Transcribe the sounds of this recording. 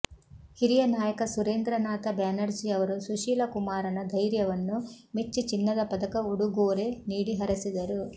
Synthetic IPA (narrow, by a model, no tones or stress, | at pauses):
hiɾijɐnaːjɐkɐsuɾeːnd̪ɾɐnaːt̪ɐbjaːnɐɾd͡ʒiɐʋɐɾusuʃiːlɐkumaːɾɐnɐd̪ʱɐjɾjɐʋɐnːu | met͡ʃːut͡ʃinːɐd̪ɐpɐd̪ɐkɐuɽuɡoːɾe̞niːɽiɦɐɾɐsid̪ɐɾu